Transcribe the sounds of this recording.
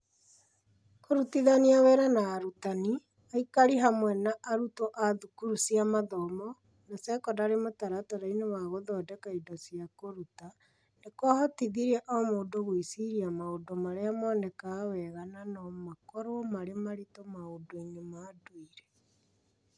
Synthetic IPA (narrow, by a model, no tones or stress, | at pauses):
koɾutiðaniawɛɾanaːɾutani | aikaɾiɦamwɛnaʔaɾutoʔaðukuɾusiamaðɔmɔ | nasɛkɔdaɾemotaɾataɾainewaɣoðɔdɛkaidɔsiakoɾuta | nekwahɔtiðiɾɛʔɔmoːdoɣwisiɾiamaodomaɾeamɔːnɛkawɛɣananɔmakɔɾomaɾemaɾitomaodoiɲomaːduiɾɛ